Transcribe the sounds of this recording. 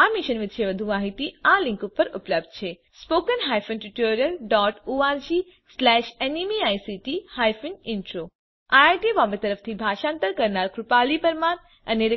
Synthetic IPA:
aːmiʃənʋɪt̪t͡ʃʰeʋɐd̪ʱuaːɦit̪iãlĩŋkʊpːəɾʊpləbd̪̚t͡ʃʰe | spoːkənɦaːjfʰənʈuʈoːɾijəlɖɔːʈoːaːɾd͡ʒiː | slɛːʃenimiaːjsiʈihaːjfʰənɪnʈɾoː | aajʈibɔːmbet̪əɾəft̪ʰibʱaːʃãːnt̪əɾkɐɾnaːɾkɾʊpaːlipəɾmaːn | ɐneɾ

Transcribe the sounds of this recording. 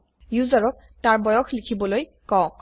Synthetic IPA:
juzaɹɔk̚ | taɹbɔjɔxlikʰibɔloj | kɔ̃

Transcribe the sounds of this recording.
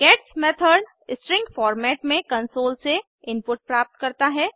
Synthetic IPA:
ɡ̥ɛːʈsmɛːt̪ʰəɾɖ | ɪsʈɾɪ̃ŋɡfɔːɾmɛːʈmẽkɐ̃nsoːlse | ɪ̃mpʊʈ̚pɾaːp̚t̪kɐɾt̪aɦɛː

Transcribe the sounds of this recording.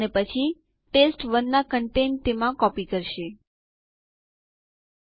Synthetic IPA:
nepət͡ʃʰi | ʈesʈʋənːakəɳʈent̪emãkɔpikəɾʃe

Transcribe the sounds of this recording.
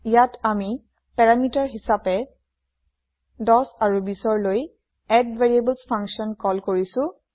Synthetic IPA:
ijatami | pɛɹamitaɹɦisapɛ | dɔsaɹubisɔɹloj | ɛdveɹiebəlspʰaŋksɔnkɔlkoɹisʊ̃

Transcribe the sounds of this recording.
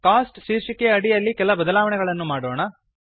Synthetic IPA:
kaːsʈʃiːɾʂikeɐɽijɐlːikɛlɐbɐd̪ɐlaːʋɐɳɛɡɐɭɐnːumaːɽoːɳɐ

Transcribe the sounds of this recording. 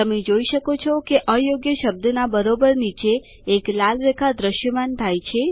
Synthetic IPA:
t̪əmed͡ʒoiʃəkot͡ʃʰɔkeʔəjoɡjəʃəb̚d̪nabəɾobəɾnit͡ʃeː | klalɾekʰad̪ɾəʃjəmant̪ʰajt͡ʃʰe

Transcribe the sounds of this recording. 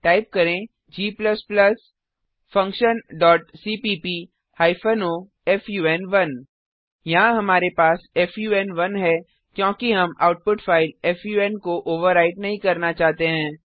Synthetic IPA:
ʈaːɪp̚kɐɾẽ | d͡ʒiːplɐsplɐs | fɐ̃ŋkʃənɖɔːʈsiːpiːpiː | haːɪfənoː | ɛːfjuːɛːnʋɐn | jɐɦãɦɐmaːɾepaːsɛːfjuːɛːnʋɐnɦɛ | kjõːkiɦɐma̰ːʊʈ̚pʊʈfaːɪlɛːfjuːɛːnkoʔoːʋəɾːaːɪʈnɐɦĩkɐɾnat͡ʃaːɦt̪eɦɛ̃ː

